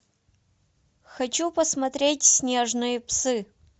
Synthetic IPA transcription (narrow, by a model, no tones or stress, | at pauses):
xɐt͡ɕupəsmɐt̪ɾʲetʲsʲnʲeʐnɨjəpsɨ